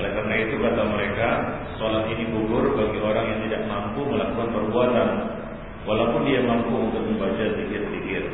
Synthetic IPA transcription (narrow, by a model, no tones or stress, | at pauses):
ɔlɛkarnait̪ukat̪aməɾekasolat̪iniɡuɡʊrbaɡioɾaŋjaŋt̪idaʔ̚mampuməlakukanpərbuat̪an | walaupʊndiamampuunt̪ʊt̪̚məmbat͡ʃadikɪrdikɪr